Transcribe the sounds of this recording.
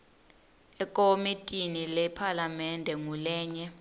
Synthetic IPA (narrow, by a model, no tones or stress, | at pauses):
ɛkʼomitʼinilɛpʰalamɛndʱɛŋulɛːɲɛ